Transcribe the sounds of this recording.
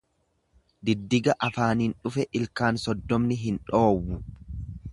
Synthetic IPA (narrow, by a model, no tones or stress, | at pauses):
d̪ɪd̪ːɪɡɐʔɐfaːnɪnᶑʊfɛʔɪlkaːnsɔd̪ːɔmnɪɦɪnᶑo̞ːwːʊ